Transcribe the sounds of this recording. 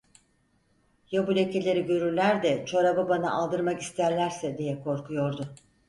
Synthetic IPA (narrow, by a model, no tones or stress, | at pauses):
jobulʲecʰe̞lʲe̞ɾiɟø̞ɾyɾlʲæɾd̪ɛt͡ʃʰoɾabɯbana̰ʔalˠd̪ɯɾmaki̥st̪ʰæɾlʲæɾsɛd̪ijɛkʰo̞ɾkʰujo̞ɾd̪ʊ